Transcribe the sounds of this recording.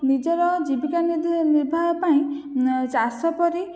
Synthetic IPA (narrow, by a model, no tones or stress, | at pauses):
nid͡ʒɔɾɔd͡ʒibikaniniɾbʱaɦɔpaĩd͡ʒasɔpɔɾi